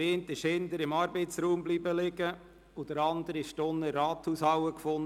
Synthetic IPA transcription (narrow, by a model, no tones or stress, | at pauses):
entɪʃhɪnd̪əɾɪmɑːɾbeɪtsɾuːmbliːbəlɪɡə | od̥əɾɑnd̪əɾɪʃtʊnːəɾɑːt̪huːshɑwəkfʊn